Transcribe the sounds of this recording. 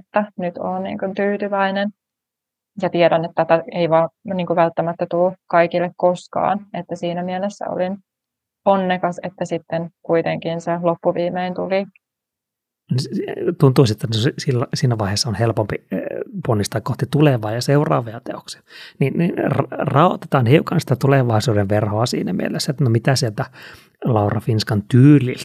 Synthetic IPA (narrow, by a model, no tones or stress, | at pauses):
t̪ːænyt̪oːnnḭːŋkunt̪yːt̪yʋæinen | jɑt̪iɛɾænet̪ːæt̪æeiʋɑːniːŋkuʋælt̪ːæmæt̪ːæt̪uːkɑikilːekkoskɑ̰ːnet̪ːæsiːnæmielesːæ̰o̰lin | onːekɑset̪ːæsit̪ːenkuit̪eŋkinselopːuʋiːmeint̪uli | nst̪unt̪uisiet̪ːænsilːæsiːnæʋɑiheːsːɑonhelpompiponːist̪ɑːkkoht̪it̪uleʋɑːjɑseurˑɑ̰ːʋeɑt̪ḛoksi̥ɑ̥ninninrrɑot̪e̥t̪ɑːnhiukɑnsi̥t̪æt̪uleʋɑisuːdeʋʋerhoɑsḭːnæmḭḛlesːæet̪ːnomit̪æsielt̪æ | lɑurɑfinskɑnt̪yːlḭlt̪